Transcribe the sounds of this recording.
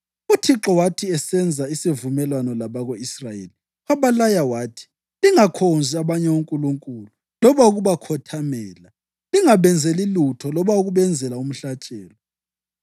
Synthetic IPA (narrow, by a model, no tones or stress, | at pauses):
utʰiǁɔwatʰiɛsɛnd͡zʱaisevumɛlwanɔlaβaɣoisrajḛli | waβalajawaːtʰi̥ | liŋakʰonzʱiaβaɲɛuŋkʼuluŋkʼulu | lɔβauɣuβakʰɔtʰamɛːla | liŋaβɛnd͡zʱɛlilutʰɔlɔβauɣuβɛnd͡zʱɛlaum̩ɬat͡ʃʼɛːlɔ